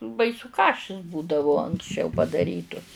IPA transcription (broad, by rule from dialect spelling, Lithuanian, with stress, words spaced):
ˈbɐɪsʊ ˈkɑːʃʲɪs ˈbuːdɐʋʊ ɐŋksʲˈt͡ʃʲɛʊ pɐdɐˈrʲiːtʊs